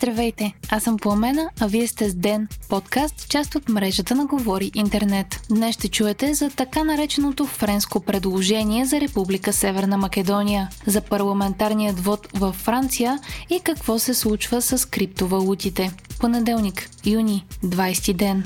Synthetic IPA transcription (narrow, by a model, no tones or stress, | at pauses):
zd̪ɾɐvɛjt̪ɛasəmpomɛnəɐviɛst̪ɛzd̪ɛnpɔt̪kast̪t͡ʃast̪ot̪mɾɛʒət̪ənɐɡovɔɾiʔint̪ɛɾnɛt̪d̪nɛsʃt̪ɛt͡ʃuɛt̪ɛzɐt̪ɐkanɐɾɛt͡ʃɛnot̪ofɾɛnskopɾɛd̪lˠoʒɛniɛzɐɾɛpublikəsɛvɛɾnəmɐkɛd̪ɔnʲijəzɐpɐɾlˠɐmɛnt̪aɾnijəd̪vɔt̪vɐfːɾant̪sijəikɐkvɔsɛslˠut͡ʃvəsəskɾip̚t̪ovɐlˠut̪it̪ɛponɛd̪ɛlˠnikjunʲid̪vajst̪id̪ɛn